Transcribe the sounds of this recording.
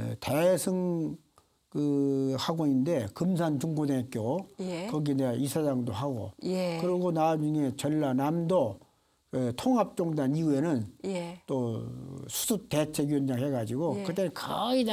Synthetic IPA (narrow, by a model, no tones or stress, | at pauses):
tesʰɯŋ | kɯhaɡoinde̞kɯmsʰant͡ɕuŋɡodeŋek͈jojekʌɡieneaisʰad͡ʑaŋdoɦaɡo̰kɯɾiɡonad͡ʑuŋe̞t͡ɕʌɭːanamdo | kɯtʰoŋɦap̚t͡ɕ͈oŋdaniuenɯnt͈o | sʰu̥sʰutet͡ɕʰekuʌnd͡ʑaŋɦeɡad͡ʑiɡokɯt͈enɯnkʰai